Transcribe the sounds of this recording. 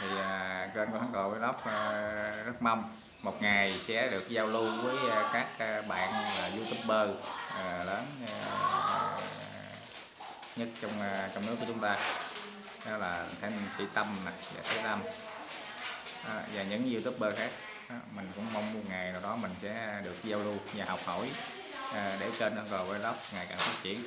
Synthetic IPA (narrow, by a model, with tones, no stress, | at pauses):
t̪ʰi˨˩ʔəː˨˩kəː˧nkɔ˧˦aː˨˦ŋkə˨˩wvəː˨˦jlə˦˥p̚ə˧zə˦˥t̚ma˧wŋ͡m | mo˨˩t̚ŋa˨˩jsɛ̰˧˥ɗɨ˨˩ək̚zaː˧wlu˧vəː˨˦jkaː˦˥k̚ːɓa̰ː˧˨nlaː˨˩zu˧t̪ɨ˦˥p̚ɓəː˧əː˨˩ləː˨˦n˧˨ | ɲə˦˥t̚t͡ɕɔ˧wŋ͡mt͡ɕɔ˧wŋ͡mnɨ˦˥k̚ːu˧˩˦t͡ɕʊu˦ŋ͡mt̪aː˧ | ɗɔ˨˦laː˨˩˨ŋt̪ʰa˨˧˦nsḭ˧˥t̪ə˧mna˨˩za̰ː˨˩t̪ʰəː˨˦jt̪ə˧m | ʔaː˨˩vaː˨˩ɲɨ̰˧˥ŋzt̪ɨ˦˥p̚ɓəː˧xaː˦˥k̚ː | mï˨˩ŋ̟kʊ̰˧˥ŋ͡mma˧wŋ͡mmu˧ŋaː˨˩jnaː˨˩wɗɔ˨˦mï˨˩ŋ̟sɛ̰˧˥ɗɨ˨˩ək̚zaː˧wlu˧zaː˨˩hɔ˨˩wk͡p̚ho˧˩j | ʔːɗe˧˩t͡ɕe˧nʔə˧ŋko˨˩vaː˨˧˦lə˦˥wk͡p̚ŋaː˨˩jkaː˨˩fiː˦˥t̚t͡ɕḭ˧˨ən